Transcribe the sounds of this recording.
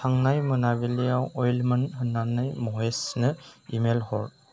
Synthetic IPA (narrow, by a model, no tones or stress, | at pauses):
tʰaŋnajmɯnabilijawɔjlmɯnɦɯnːanɯjmɔesnɯimelhɔɹ